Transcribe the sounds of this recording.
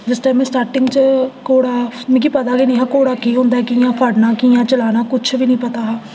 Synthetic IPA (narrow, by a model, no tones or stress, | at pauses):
d͡ʒɪsʈaːmɛ̃ːsʈaːɾʈɪŋɡt͡ʃəkoːɽaːmɛ̃kiːpət̪aːɡinĩːɦaːkoːɽaːkiːɦõːnd̪aːɛːkijãːpʰəɖnaːkijãːt͡ʃəlaːnaːkʊt͡ʃʰʋiːnĩːpət̪aːɦaː